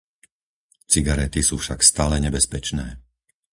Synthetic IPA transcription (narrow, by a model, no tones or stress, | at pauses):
t͡siɡaɾɛt̪isuːfʃakst̪aːlɛɲɛbɛspɛt͡ʃnɛː